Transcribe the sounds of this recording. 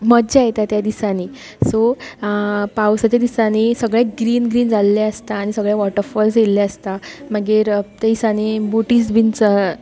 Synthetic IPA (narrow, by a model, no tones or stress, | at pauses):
məd̪d͡ʑajet̪at̪jad̪isaniː | so | pawsat͡ɕjad̪isanisəɡɭjeɡɾiːnɡɾiːnd͡zalːeəst̪aːɽ̃isəɡɭjaʋɔʈəɾfɔlsɡelːaəst̪amaɡeɾt̪aisanibuʈiːsbʱint͡s